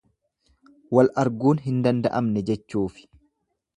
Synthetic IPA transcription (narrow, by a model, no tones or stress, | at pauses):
wɐlʔɐɾɡuːnɦɪnd̪ɐnd̪ɐʔɐmnɛd͡ʒɛt͡ʃːuːfɪ̥